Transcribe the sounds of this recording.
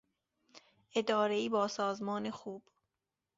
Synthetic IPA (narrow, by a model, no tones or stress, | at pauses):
ʔe̞d̪ɒːɾeiːbɒːsɒːzmɒːnexuːb̥